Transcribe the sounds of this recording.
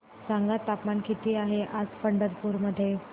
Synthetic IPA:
saŋɡat̪ːapmankʰit̪iːaɦeʔad͡zfəɳɖəɾpuɾməd̪ʱːje

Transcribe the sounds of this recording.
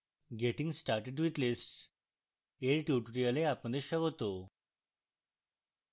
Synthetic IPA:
ɡeʈĩŋɡsʈaɾʈeɖʋit̪lisʈs | eɾʈjuʈuɾialeapə̃ɳd̪eɕəɡot̪o

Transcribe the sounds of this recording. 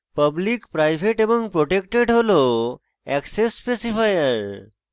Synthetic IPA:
pəblikpɾajbʱeʈebɔŋpɾoʈekʈeɖɦolo | ɛksesːpesifʰajəɾ

